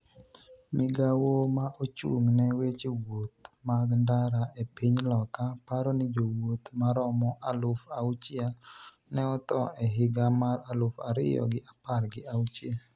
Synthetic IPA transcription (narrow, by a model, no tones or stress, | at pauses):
mɪɡawomaʔot͡ʃṵŋnɛwet͡ʃewot̪̚maɡndaɾaepiɲlɔkapaɾɔnɪd͡ʒowot̪maɾɔmɔʔalʊfawt͡ʃɪɛl | nɛɔt̪ɔʔɛɦɪɡamaɾalʊfaɾɪ̰jɔ̰ɡɪʔaparɡɪawt͡ʃjɛl